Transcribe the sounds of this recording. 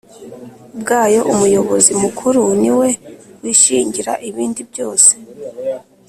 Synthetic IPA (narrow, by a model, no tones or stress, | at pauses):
bɡaːjo̞ʔumujo̞βo̞zimukʰuɾuniwe̞wiʃiːɲɟiɾa̰ʔiβiːndibjo̞ːse̥